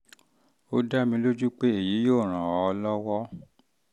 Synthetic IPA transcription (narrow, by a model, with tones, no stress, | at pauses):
o˦da˦mĩ˧lo˦d͡ʒu˦k͡pe˦e˦˨ji˨˦joː˦˨ɾ̃ã˨ɔ˨˦ɔ˧lɔ˦wɔ˦